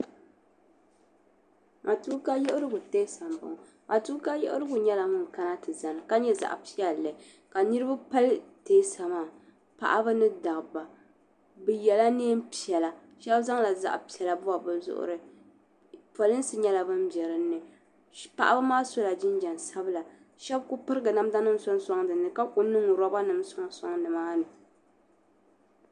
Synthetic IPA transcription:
ŋʔa˨tu˦ka˦jɛ˦ʔʊ˦ɾɨ˦ɡʊ˨teː˦sa˨mba̰˨ŋ˨ | a˨tu˦ka˦jɛ̰˦ʔʊ˦ɾɨ˦ɡʊ˨ɲɛ˦la˨ŋʊ˦n˨ka˦na˦tɨ˨za˨nɨ˨ka˦ɲɛ˦za̰˨ʔpi˦ɛ˦˨lːɨ˨ | ka˨nɨ˦ɾɨ˦ba˦pa˦lte˦sa˨maː˦˨ | pa̰˨ʔa˦bɨ˦nɨ˦da˨ɣba˨ | bɨ˨jɛ˨la˦neː˦m˦pi˨ɛ˨la˨ | ʃɛ˦bza˦ŋla˨za̰˦ʔpi˨ɛ˨la˨bʊ˦a˨bɨ˦lzʊ̰˦ʔʊ̰˦ɾɨ˦ | pɔ˨lɨ˦n˦sɨ˦ɲɛ˦la˨bɨ˦mbɛ˨ɾɨ˦nːɨ˨ | pa̰˨ʔa˦ba˦maː˦so˦la˨d͡ʒɪ˦n˦d͡ʒɛ˨nsa˦bɨ˦la˨ | ʃɛ˦bkʊ˦pɨ˦ɾɨ˦ɡɨ˨na˦m˦da˦nɨ˦m˦sɔ˦n˦sɔ˦ŋdɨ˨nːɨ˨ka˦kʊ˨nɨ˦ŋ˨ɾɔ˦ba˦nɨ˨msɔ˦ŋ˦sɔ˦ŋnɨ˨maː˦nɨ˨

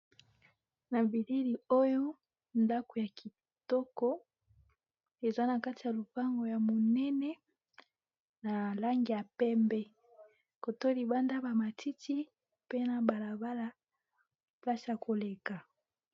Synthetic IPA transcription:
na˨vi˨li˦li˨o˦jo˦ | nda˦ko˨ja˨kʰi˨ | tɔ˦kɔ˦ | e˨za˦na˨ka˦ti˨ja˨lo˨pa˦ŋɡo˨ja˨mo˨nɛ˦nɛ˦ | na˨la˦ŋɡi˨ja˨pɛ˦mbɛ˦ | ko˨to˦li˨ba˦nda˦ba˨ma˨tʰi˦tʰi˦ | pe˦na˨ba˨la˨ba˦la˦ | pla˦sja˨kʰo˨le˨ka˨

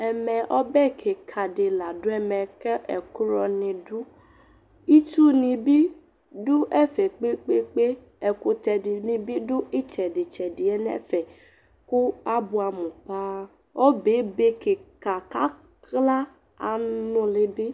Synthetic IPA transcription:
ɛ˨mɛ˨ʔɔ˦bɛ˦kʰe˨kʰa˨dɪ˨la˨dʊ˦ɛ˧mɛ˨kɛ˦ʔɛ˨ku˦ɾɔ˧nɪ̃˧dʊ˦ | i˦tu˦nĩ˧bi˦ | dʊ˦ʔɛ˦fɛ˨k͡pe˦k͡pe˦k͡pe˦ | ɛ˨ko˧tɛ˨dɪ˨nĩ˧bi˦dʊ˦i˦t͡ʃɛ˨dɪ˨t͡ʃɛ˨dɪ˨ɛ˦nɛ̰˦fɛ˨ | kʊ˦a˦bʊ˦a˨mũ˨pa˦ | ɔ˦be˨˦be˦ke˨ka˨ka˦ | kla˦ | a˨nʊ̃˦lɪ˦bi˦

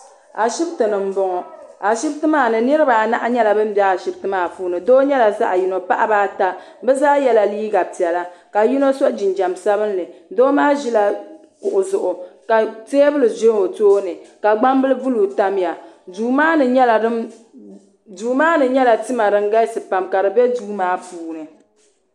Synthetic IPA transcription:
a˨ʃi˦btɨ˨nɨ˨m̩˦bɔ˨ŋɔ˨a˨ʃɪ˦btɨ˦maː˦˨nɨ˨nɨ˦ɾɨ˦ba˨na̰˦ʔa˦ɲɛ˦la˨bɨ˦m̩˦bɛ˦a˨ʃi˦btɨ˦maː˦˨fuː˦nɨ˨doː˦ɲɛ˦la˨za̰˦ʔa˨ji˨no˨pa˦ʔa˦baː˦ta˦ | bɛ˦zaː˦jɛ˦la˨liː˦ɡa˨pi˨ɛ˨la˦ka˨ji˦no˦so˦ʔd͡ʒi˨nd͡ʒa˨msa˦bɨ˦nː˦ɨ˨doː˦maː˦ʒi˦la˨ | kʊ˨ʔʊ˨zʊ˨ʔʊ˨ka˨teː˦bɨ˦lɨ˨zo˦o˨toː˦nɨ˨ka˨ɡ͡ba˦mbɨ˦lɨ˦vu˦luː˨ta˦m˦ja˨ | duː˨˦maː˦nɨ˨ɲɛ˦lɨ˦ | duː˨maː˦nɨ˨ɲɛ˦la˨tɨ˦ma˨dɨ˨ŋɡa˦jsɨ˨pa˨mka˨ɾɨ˨bɛ˦duː˦maː˦puː˦nɨ˨

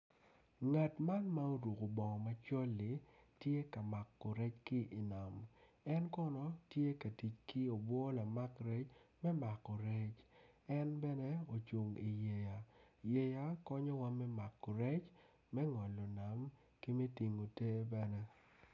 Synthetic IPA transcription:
ŋa˨tma˦nma˦o˦ɾu˨ko˨bɔ˨ŋɔ˨ma˨t͡ʃɔ˦lːɪ˨˦tje˦ka˨ma˨kːɔ˨ɾɛ˦t͡ʃki˦ʔi˨na˨m | ɛ˦nkɔ˦nɔ˨tje˦ka˨ti˨t͡ʃki˦o˨bwɔ˦la˨ma˦kɾɛ˦t͡ʃmɛ˦ma˨kːɔ˨ɾɛ˦t͡ʃ | ɛ˦nbɛ˦nɛ˦o˨t͡ʃu˨ŋi˨je˨ja˨je˨ja˦kɔ˦ɲɔ˦wa˦mɛ˦ma˨kːɔ˨ɾɛ˦t͡ʃ | mɛ˦ŋɔ˨lɔ˨na˨m | ki˦mɛ˦ti˨ŋo˨te˦bɛ˦nɛ˦

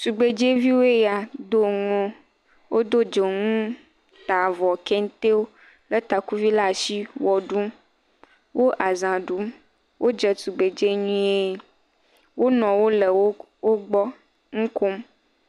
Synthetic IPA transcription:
tu˨ɡ͡be˨d͡ʒe˦vi˦wo˦e˦ja˨d̪o˦ŋɔ̃˦ | wʔo˦d̪o˦d͡ʒe˨ŋũ˦ | t̪a˨vɔ˨kɛ˦ŋ˦t̪e˦wo˦ | lə˦t̪a˨ku˦vi˦la˦˨ʃi˦wɔ˨ɖu˦m | wʔo˦ʔa˨zã˨ɖu˨˦m | wo˦d͡ʒə˨su˨ɡ͡be˨d͡ʒe˦ɲũ˦e˦ | wʔo˦nɔ̃˨wo˦lə˨wo˦ | wo˦ɡ͡bɔ˦ | ŋũ˦ko˦m

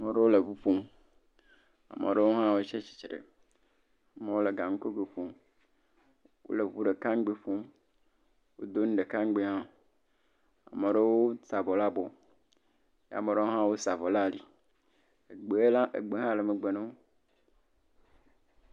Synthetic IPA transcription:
me˨ɖe˦wo˦le˨vu˦ɸo˦m | a̰˨mḛ̃˨ɖe˦wo˦ɦã˦wo˦t͡ʃe˦t͡ɕi̥˨t͡ʃɾḛ˨ | a˨mẽ˨wo˦le˨ɡa˨ŋ̩˦ko˦ɡe˨ɸõ˦m | wo̰˦le˨vu˦ɖe˨kã˦ŋ˦ɡ͡be˦ɸõ˦m | wo̰˦d̪o˦n̩˦ɖe˨kã˦ŋ˦ɡ͡be˦ɦã˦ | a̰˨me˨ɖe˦wo˦sa˨bɔ˨la˦bɔ˨ | ja̰˨mẽ˨ɖe˦wo˦ɦã˦wo˦sa˨vɔ˨la˦˨li˨ | e˨ɡ͡be˨e˦la˦ʔḛ˨ɡ͡be˨ɦã˦le˨me˨ɡ͡be˨nẽ˦

